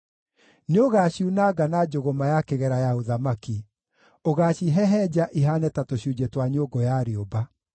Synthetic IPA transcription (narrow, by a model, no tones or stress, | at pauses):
neoɣaːɕiunaɡanad͡ʑoɣomajakeɣɛɾajaoðamaki | oɣaːɕiɦɛɦɛd͡ʑaʔiɦanɛtatoɕiud͡ʑetwaɲoɡɔjaɾioba